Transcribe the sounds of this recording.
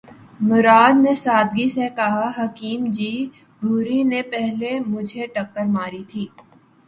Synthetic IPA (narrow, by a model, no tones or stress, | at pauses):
mʊɾaːd̪nesaːd̪ɡisekɐɦaɦɐkiːmd͡ʒiː | bʱuːɾinepɛɦlemʊd͡ʒʱeʈɐkːəɾmaːɾit̪ʰiː